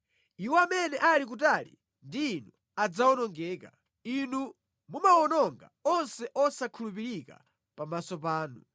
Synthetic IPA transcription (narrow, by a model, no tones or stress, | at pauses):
iwɔamɛnɛʔalik̬utalḭ | ndiːnu | ad͡zawɔnɔŋɡɛːka̰ | inu | mumawɔnɔŋɡa̰ɔnsɛʔɔsakʰulupiɾika̰ | pamasɔp̬aːnu